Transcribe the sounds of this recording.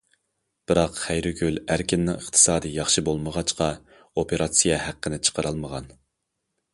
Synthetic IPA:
b̥ɪɾɑqχæjɾɪɡʲylæɾkʲʰinːɪŋəχt̪ʰɨ̥sɑːd̪ɨjɑχʃɨbolˠməʁɑt͡ʃqɑ | opʰeɾɑt̪sijɛhæqːənɪt͡ʃʰə̥qʰəɾʔɑlˠməʁɑn

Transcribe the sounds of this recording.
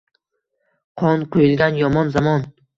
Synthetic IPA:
qʰɒnqʰojɪlˠɡʲanjɒmɒnzamɒn

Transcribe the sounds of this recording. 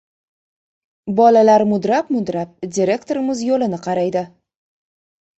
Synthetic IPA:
bɒlalaɾmʊd̪ɾapmʊd̪ɾap̚d̪ʲiɾʲe̞kt̪oɾɪmɪzjolɪnɪqʰɑɾajd̪ɪ

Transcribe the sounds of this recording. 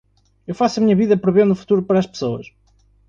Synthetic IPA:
ewfasɐmiɲɐβiðɐpɾɨβẽnd̪ufu̥t̪uɾupɐɾɐːʃpɨ̥soɐʃ

